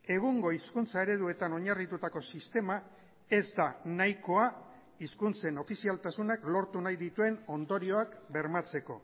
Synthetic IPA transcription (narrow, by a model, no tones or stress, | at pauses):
e̞ɣ̞uŋɡo̞iskunt͡sae̞ɾe̞ðue̞t̪ano̞ɲarit̪ut̪ako̞sist̪e̞ma | e̞zd̪anajko̞a | iskunt͡se̞no̞fisialt̪asunaklo̞ɾt̪unajðit̪ue̞no̞nd̪o̞ɾio̞akbe̞ɾmat͡se̞ko̞̰